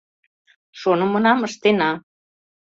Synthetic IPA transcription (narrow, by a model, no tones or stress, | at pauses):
ʃonə̆mə̆nɑməʃt̪enɑ